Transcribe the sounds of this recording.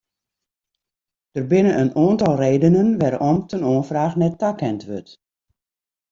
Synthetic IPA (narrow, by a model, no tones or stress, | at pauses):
d̥ərbɪnəʔənoəntɔlˠreːdənənʋɛrɔmtənoənfraːxnɛtːakɛntʋøt